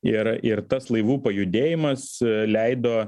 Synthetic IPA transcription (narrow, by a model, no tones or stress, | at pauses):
ɪɾɪɾt̪ɐslˠɐɪʋuːpɐjʊd̪ʲeːjɪmɐslʲɛɪd̪oː